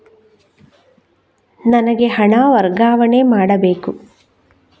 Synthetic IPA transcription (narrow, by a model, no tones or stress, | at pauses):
nɐnɐɡe̞ɦɐɳaːʋɐɾɡaːʋɐɳemaːɽɐbeːku